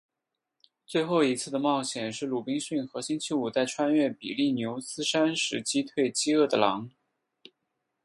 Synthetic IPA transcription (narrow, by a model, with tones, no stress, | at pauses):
t͡swe˥˧ɪxo˥˩ʊi˧˥t͡sʰɹ̩˥˩d̪ə˩mɑ˥˩ʊɕjɛ˨˩nʂɻ̩˥˩lu˨˩pi˥ŋɕy˥˩nxɤ˧˥ɕi˥nt͡ɕʰi˧˥u˨˩t͡sa˥˩ɪʈ͡ʂʰwa˥nɥɛ˥˩pḭ˨˩li˥˩njo˧˥ʊsɹ̩˥ʂa˥nʂɻ̩˧˥t͡ɕi˥t̪ʰwe˥˩ɪt͡ɕi˥ɤ˥˩d̪ə˩lɑ˧˥ŋ